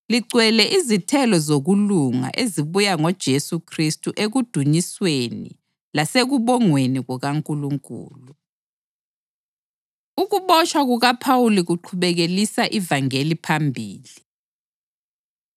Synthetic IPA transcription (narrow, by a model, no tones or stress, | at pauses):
liǀwɛlɛʔizitʰɛlɔzoɣuluŋa̰ʔeziβujaŋɔd̥ʒ̥ʱesukʰristʼuʔeɣud̥ʱuɲiswenḭ | laseɣuβɔŋweniɣɔɣaŋkʼuluŋkʼṵːlu | uɣuβɔt͡ʃʰʼwaɣuɣapʰawuliɣuǃʰuβɛɣelisaʔivaŋelipʰambʱiːli